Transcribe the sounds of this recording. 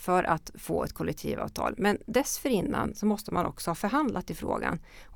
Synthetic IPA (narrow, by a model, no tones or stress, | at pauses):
fœɾʔat̪foːɛt̪kʰɔlʔɛk̚t̪ʰḭːvɑ̰ːvt̪ʰɑ̰ːlmɛnd̪ɛsfœɾɪnːa̰nsɔmɔst̪əmanʔɔ̰ksɔhɑːfœɾɦand̪lat̪ɪfɾo̰ːɡa̰n